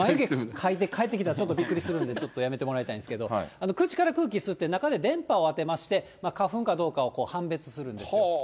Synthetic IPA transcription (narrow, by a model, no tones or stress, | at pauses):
maɯɡekʰait̪ekʰae̞t̪ːek̬ʲit̪aɾat͡ɕo̞t̪ːo̞bʲikːɯɾʲisɨɾɯ̟nd̪e̞t͡ɕo̞t̪ːojame̞t̪e̞mo̞ɾait̪aĩnesɨ̥ke̞d̪o̞ano̞kɯ̟t͡ɕi̥kaɾakɯ̟ːk̬ʲisɨt̪ːe̞nakad̪e̞d̪ẽ̞mpao̞at̪e̞maɕi̥t̪e̞makaɸɯ̟̃ŋkad̪o̞ːkao̞ko̞ːhãmbe̞t͡sɨ̥sɨɾɯ̟̃nd̪es